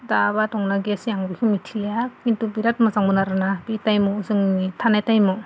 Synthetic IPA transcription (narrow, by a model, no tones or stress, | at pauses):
daβatɔŋnaɡiasiaŋbikʰɯmitʰiljakintubiɾat̚mazaŋmɯnaɾanabitajmɔzɯŋmitʰanajtajmɔ